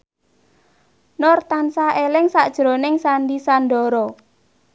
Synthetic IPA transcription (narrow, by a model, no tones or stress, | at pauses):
nɔrt̪ansaʔelɪŋsaʔd̥ʒ̥ɾonɪŋsanɖisanɖɔɾɔ